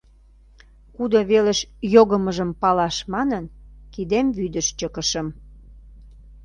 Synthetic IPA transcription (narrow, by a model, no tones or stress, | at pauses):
kud̪oβeleʃjoɣəməʒəmpɑlɑʃmɑnənkid̪emβyd̪əʃt͡ɕəkəʃə̆m